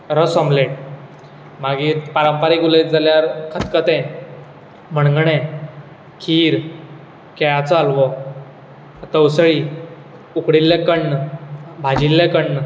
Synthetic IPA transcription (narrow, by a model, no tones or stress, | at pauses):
ɾəsɔmleɳ | maɡiːpaɾəmpaɾikulejt̪̚d͡zaljaɾkʰət̪kət̪ɛ̃ | m̤əɳŋɡɳẽ | kʰiːɾ | kɛjat͡salʋɔ | t̪əwsɭi | ukɽilːẽkəɳːbʱad͡ʑilːẽkəɳː